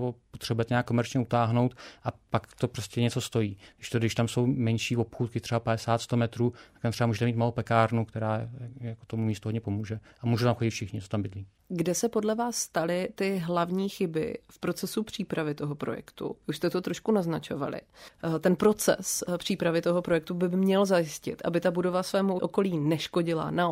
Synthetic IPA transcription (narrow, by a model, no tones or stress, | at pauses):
opot̪r̝̥ɛbujɛt̪ɛɲaːkːomɛɾt͡ʃɲɛut̪aːɦnowt̪ʔapakt̪opɾoscʲɛɲɛt͡so̞st̪o̞jiːɡdɪʃt̪odɪʃt̪amso̞wmɛnʃiːo̞pxuːt̪kɪt̪r̥ɛbapadɛsaːt̪st̪omɛt̪ɾuːt̪akt̪amt̪rɛbamuːʒɛt̪ɛmiːt̪malowpɛkaːɾnukt̪ɛɾaːjakot̪omumiːst̪uɦodɲɛpo̞muːʒɛ | ʔamuːʒut̪amxoɟɪt̪fʃɪxɲɪt͡s̪ot̪ambɪdliː | ɡdɛsɛpo̞dlɛvaːsːt̪alɪt̪ɪɦlavɲiːxɪbɪ̰fpɾo̞t͡sɛsupr̝̥iːpɾavɪt̪o̞ɦo̞pɾo̞̰jɛ̰kt̪ṵuʃst̪ɛt̪ot̪ɾo̞ʃkunaznat͡ʃo̞va̰lɪ̰t̪ɛnpɾo̞t͡sɛ̰spr̥iːpɾavɪt̪o̞ɦo̞pɾo̞jɛk̚t̪ubɪmɲɛlzajɪscɪ̰t̪ʔa̰bɪt̪abudo̞vasvɛːmuʔoko̞liːnɛʃko̞ɟɪla̰na